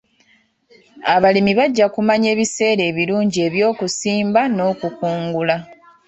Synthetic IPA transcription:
aβalimiβaɟːakumaɲe̞ːβise̞ːɾe̞ːβiluːɲɟie̞ːβjo̞ːkusiːmbano̞ːkukuːŋɡula

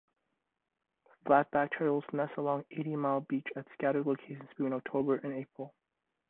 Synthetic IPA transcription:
flæt̚b̥æk̚tʰɜɹl̩ˠz̥mɛsəlɔ̃ŋeɪɾimaɪlˠbit͡ʃɨtskæɾə˞dˡloʊkʰeɪʃn̩̥tʰĩnək̚tʰoʊbə˞ʔɨ̃neɪpɹl̩ˠ

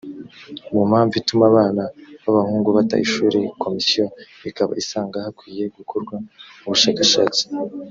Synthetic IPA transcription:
mum̥haːɱvitumaβaːnaβaβahuːŋɡuβata̰ʔiʃuːɾekʰo̞misijo | ikaβa̰isaːŋɡahakwiːje̞ɡukʰoɾɡwauβuʃaːkaʃa̰ːt͡si̥

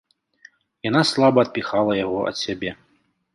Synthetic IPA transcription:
janaslˠabɐt̪̚pʲixalˠɐjaɣɔʔɐ̰t̪sʲabʲɛ

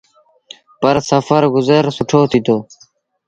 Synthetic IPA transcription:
pəɾsəfəɾɡʊzəɾsuʈʰoːt̪ʰit̪oː

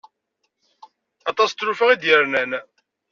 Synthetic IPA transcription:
ɑt̪ˤɑst̪ːɾufæʁid̪jəɾnæn

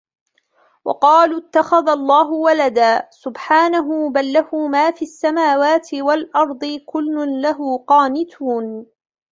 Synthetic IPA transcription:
wɑ̰qɑːluːɪt̪ːaxaðalˤːɑːɦʊwalad̪aːsʊbħaːnaɦʊbalːahʊmaːfiːʔasːamaːwaːt̪ɪwalʔɑɾˤd̪ˤɨkʊlːʊnlaɦʊːqɑːnɪt̪ʰuːn

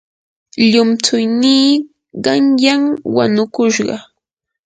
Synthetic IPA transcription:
ʎʊmt͡sʊjniː | ɢɑŋjaŋwanʊkʊʃɢɑ̰

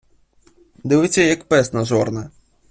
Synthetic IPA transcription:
d̪ɪʋɪt͡sʲːɐjɐkpɛsnɐzɔrnɐ

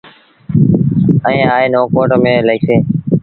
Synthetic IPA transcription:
əẽːaːeːnoːkoːʈːmẽːləiːseː

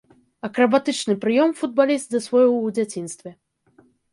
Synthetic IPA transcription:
ɐkɾɐbat̪ɨt͡ʂnɨpɾɨjɔmfud̪̚balʲist̪̚d̪ɐsvɔjɔd͡zʲat͡sʲinst̪vʲɛ

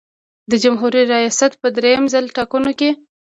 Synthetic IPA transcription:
d̪əd͡ʒamɦuɾiɾajɑsat̪pəd̪ɾejamzalʈɑkunoke

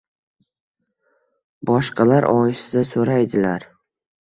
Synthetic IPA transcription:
bɒʃqɑlaɾʔɒjɪsɪzasoɾajd̪ɪlaɾ

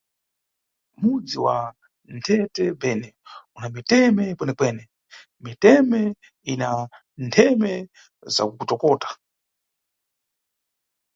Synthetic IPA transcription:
mud͡ziwa̰ | ntʰɛtɛbɛːnɛunamitɛmɛpwɛnɛkwɛːnɛ | mitɛmɛ | ina | ntʰɛmɛ | za̰kukutɔkɔːtḁ

